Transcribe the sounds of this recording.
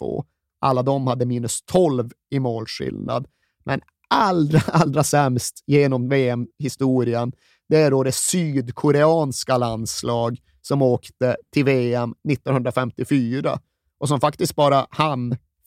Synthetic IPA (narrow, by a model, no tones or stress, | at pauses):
o̰ː | ʔa̰lːad̪ɔmhad̪ːəmiːnɵst̪ʰɔlv | ɪmoːlʂɪ̰lna̰d̪ | mʔɛn | ald̪ɾaʔald̪ɾasɛmst̪jeːnɔmveːɛmɦɪst̪uːɾɪən | d̪̥ɛæɖod̪ɛsyːd̪kʰɔɾɛɑːnskaland̪slɑːɡ | sɔmoːkt̪ət̪ʰɪlveːɛmnɪt̪ːɔnhɵnd̪ɾafɛmt̪ɪfyːɾa̰ | ʔɔsɔmfak̚t̪ɪst̪̚bɑːɾahan